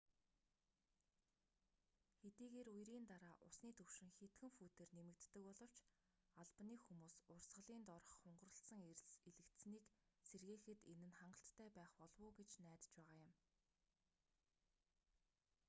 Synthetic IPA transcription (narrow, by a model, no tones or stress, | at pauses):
xet̪iːɣeːrujɾiːnt̪aɾaːʔʊsniːt̪ʰɵwʃɪ̆ŋxet̪ɡɘ̆ŋfuːt̪eːrnemɘ̆kt̪ːɘ̆kpɔɮɞ̆w̥t͡ɕ | aɮpniːxumuːsʊrsʁə̆ɮiːnt̪ɔr̆χ̆ːʊɴɢə̆rə̆ɬsə̆ŋeɾɘ̆ɮseɮɘ̆kt̪sniːkserɣeːxɘ̆t̪enɘ̆nχaɴɢə̆ɬt̪ːʰæːpæːχpɔɮwʊːɡet͡ɕnæːt̪t͡ɕpæːʁaːjʊ̆m